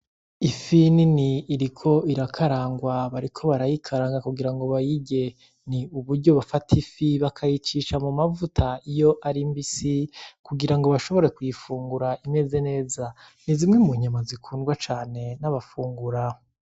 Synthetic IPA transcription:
ifininiːɾikʰo̞iɾakʰaɾaːŋɡwaβaɾikʰo̞βaɾajikʰaɾaːŋɡakuɡiɾaŋɡo̞βajiɟe̞ | niuβuɾɟo̞βafatʰifiβakʰajit͡ʃiʃamumavutʰaijo̞ʔaɾimbisikuɡiɾaŋɡo̞βaʃo̞βo̞ɾe̞kujifuːŋɡuɾaʔime̞ze̞ne̞ːza | nizimŋemuɲamazikʰuːnɡwat͡ʃaːne̞naβafuːŋɡuɾa

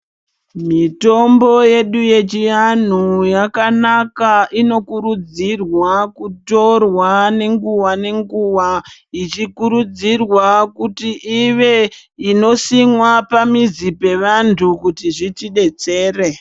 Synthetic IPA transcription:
mito̞mbo̞je̞ɗuje̞t͡ʃijan̤ujakanakaino̞kuɾud͡zirwakuto̞rwane̞ŋɡuwane̞ŋɡuʋait͡ʃikuɾud͡zirwakutiʔiʋeino̞simwapamizipe̞ʋantʰukutiʐitiɗe̞t͡se̞ːre

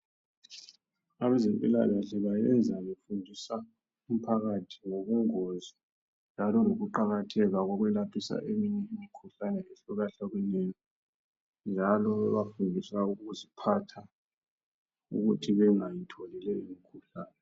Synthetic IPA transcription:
aβɛzempʼila̰laɬɛβajɛnd͡zʱajefundʱisa | um̩pʰaɣatʰiŋoɣuŋɔzɔ | nd͡ʒʱalɔloɣuǃaɣatʰɛɣaɣɔɣwɛlapʰisa̰ʔemiɲɛimikʰuɬanɛeɬuɣaɬaɣwɛnɛjɔ | nd͡ʒʱalɔβɛβafundʱisauɣuzipʰatʰa | ṵɣutʰiβɛŋajitʰolilɛjimikʰuɬaːnɛ

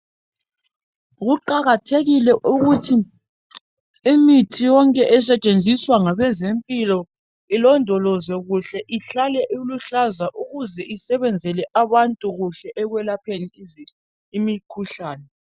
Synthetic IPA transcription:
ɣuǃaɣatʰeɣilɛʔuɣutʰi | imitʰijɔŋkʼɛʔɛs̬ɛt͡ʃʼend͡zʱiswaŋaβɛzempʼilɔ | ilɔndʱɔlɔzwɛɣuɬɛʔiɬalɛʔuluɬazaʔuɣuzɛʔisɛβɛnd͡zʱɛlɛʔaβantʼuɣuɬɛʔːɣwɛlapʰeni | imikʰuɬaːnɛ

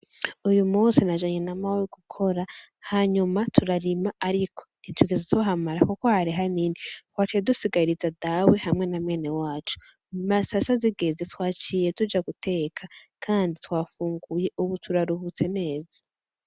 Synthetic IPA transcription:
ujumuːnsinaʒaɲe̞namaweɡ̥ukʰo̞ɾa | haɲumatʰuɾaɾimaaɾikʰo̞̥nitʰuiɡezetoɦamaɾakukohaɾiɦaninitwaːt͡ʃijedusiɡaiɾizadawe̞hamŋe̞namŋe̞ːnewaːt͡ʃu̥ | masasaziɡezetwaːt͡ʃiːje̞tud͡ʒaɡute̞ːkʰakʰaːnditwaːfuːŋɡuje̞ʔuβutʰuɾaɾuhut͡se̞ne̞ːzḁ

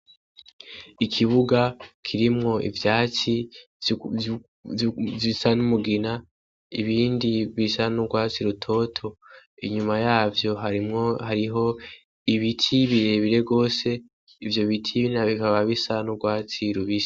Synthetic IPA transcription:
ikʰiβuɡakʰiɾimŋo̞ʔḭvjaːt͡si | visanumuɡina | iβiːndiβisanuɡwaːt͡siɾutʰo̞tʰo̞iɲumajaːvjo̞ɦaihaɾiɦo̞ | iβitʰiβiɾe̞βiɾe̞ɡo̞ːse̞ | ivjo̞βitʰiβinaβikaβaβisanuɡwaːt͡siɾuβis

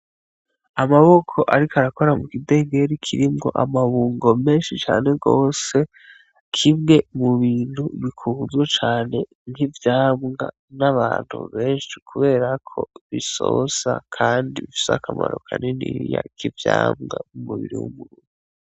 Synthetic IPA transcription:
amaβo̞kʰo̞ʔaɾikaɾako̞ɾamukide̞ːŋɡe̞ɾikʰiɾimŋo̞̰ʔamaβuːŋɡo̞me̞ːnʃit͡ʃa̰ːne̞ɡoːse̞ | kʰimŋe̞muβiːn̥huβikʰuːzɡet͡ʃaːne̞ | ŋhivjaːmŋɡa̰ | naβaːn̥hṵβe̞ːnʃi̥kʰuβe̞ːɾakʰo̞βiso̰sa̰kʰaːndiβifi̥sa̰kʰamaɾokʰanenḭjakʰivjaːmŋa̰mumuβiɾḭwṵmuɾuːŋ | u

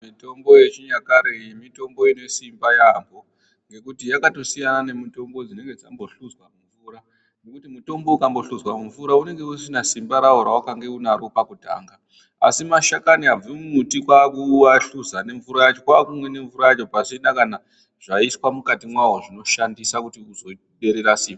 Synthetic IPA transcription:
mito̞mbo̞je̞t͡ʃijakaɾeimito̞mbo̞ine̞simbajambo̞ | ŋɡe̞kutijakato̞sijanane̞mito̞mbo̞d͡zine̞ŋɡed͡zambo̞ɬuzwamuɱvuːɾa | ne̞kutimuto̞mbo̞ukambo̞ɬuzwamuvuɾaune̞ŋɡe̞usinasimbaɾaɦoɾawakaŋɡe̞unaɾopakuta̰ːŋɡa | a̰simaʃakaniab͡vimumutikwakuːwaɬuzane̞ɱvuɾajat͡ʃo̞kwakumwene̞ɱvuɾajat͡ʃo̞paʐinakana | ʐ̥aiswamukatimwaɦoʐino̞ʃandisakutiuzo̞ | ɓe̞ɾe̞ɾasiːmba

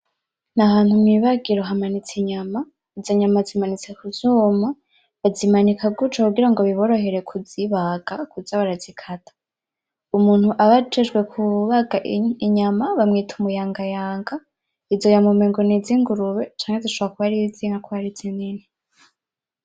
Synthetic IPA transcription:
nahaːn̥humŋiβaɡiɾoɦamanit͡siɲama | izoɲamazimanit͡se̞kuzuːma | βazimanikʰaɡut͡ʃokuɡiɾaŋɡo̞βiβo̞ɾo̞ɦe̞ɾe̞kʰuziβaɡ̥akuzaβaɾazikʰatʰḁ | umuːn̥huʔaβad͡ʒeʒɡwe̞kʰuβaɡaʔiɲamaβamŋiːtʰumujaːŋɡajaːŋɡa | izo̞jamumeŋɡoniziŋɡuɾuβet͡ʃaːŋheziʃoβakuβaɾiziŋakuβaɾizinini

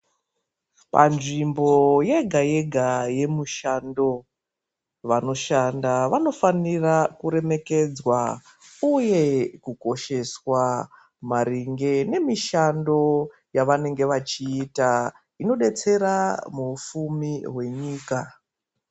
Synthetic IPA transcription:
pa̰nʐimbo̞je̞ɡʱaje̞ɡʱaje̞muʃando̞ | ʋano̞ʃandaʋano̞fanirakuɾe̞me̞ke̞d͡zwa | uje̞kuko̞ʃe̞swa | maɾiŋɡe̞ne̞miʃando̞ | jaʋane̞ŋɡe̞ʋat͡ʃiːta | ino̞ɗe̞t͡se̞ɾamufumiɦwe̞ɲiːka

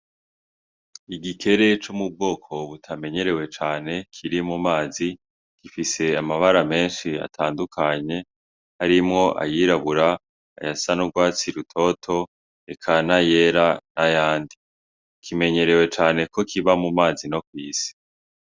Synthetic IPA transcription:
iɡikʰe̞ɾe̞t͡ʃumub̚ɡo̞ːkʰo̞βutʰame̞ɲe̞ɾe̞we̞t͡ʃaːne̞kʰiɾimumaːzi | ɡ̥ifise̞amaβaɾame̞ːnʃia̰tʰaːndukʰaɲe̞ | haɾimŋo̞ʔa̰jiːɾaβuɾa̰ː | jasanuɡwaːt͡siɾutʰo̞tʰo̞ | ekʰanaje̞ːɾanajaːndi | kʰime̞ɲe̞ɾe̞we̞t͡ʃaːne̞ko̞kʰiβamumaːzino̞kwiːsi̥

